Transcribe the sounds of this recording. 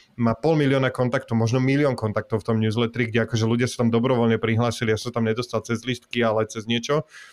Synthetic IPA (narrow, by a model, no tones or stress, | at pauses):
maːpɔlmilɪɔːnakɔnt̪ak̚t̪ɔmɔʒnɔmilɪɔːŋkɔnt̪ak̚t̪ɔʊft̪ɔmɲuːzlɛt̪ɛɾiɡɟɛakɔʒɛluɟɪasḁt̪amd̪ɔbɾɔʋɔlɲɛpɾiɦlaːsilijasɔ̃t̪amɲɛd̪ɔst̪alt͡sɛzlist̪kialɛt͡sɛzɲɪɛt͡ʃɔ